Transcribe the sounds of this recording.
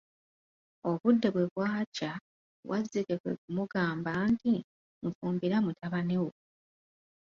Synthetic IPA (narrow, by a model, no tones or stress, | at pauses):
o̞βudːeβwe̞βwaːca | wʔazːikekwḛk̚umuɡaːmbanti | ŋfuːmbiɾamutʰaβane̞wo